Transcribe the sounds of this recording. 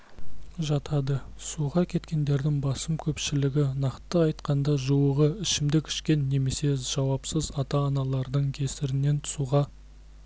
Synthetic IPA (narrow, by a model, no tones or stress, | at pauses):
ʒɑt̪ʰɑd̪əsuʁɑkʲʰe̞t̪kʲe̞nd̪e̞ɾd̪ɪŋbɑsəmkʲʰɵpʃɪlɪɡʲɪnɑqt̪ːəɑjt̪qɑnd̪ɑʒuwəʁəɪʃɪmd̪ɪkʲʰɪ̥ʃkʲe̞nːe̞me̞se̞ʒ̥ɑwɑpsəzɑt̪ɑːnɑlˠɑɾd̪əɴkʲʰe̞sɪɾɪne̞nt̪ʰʊ̥suʁɑ